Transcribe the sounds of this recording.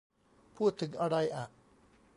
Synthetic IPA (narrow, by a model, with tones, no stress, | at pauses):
pʰuː˥˩t̪ʰːɯ˩˦ŋʔa˧ɾa˧jʔa˨˩ʔ